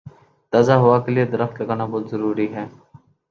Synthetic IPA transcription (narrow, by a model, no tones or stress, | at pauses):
t̪aːzaːɦʊaːkəlɪed̪əɾəft̪ləɡaːnaːboːt̪zəɾuːɾiːɦɛː